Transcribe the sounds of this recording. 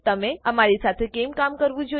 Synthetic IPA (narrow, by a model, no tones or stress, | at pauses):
t̪əmẽəmaɾisat̪ʰekemkamkəɾʋũd͡ʒo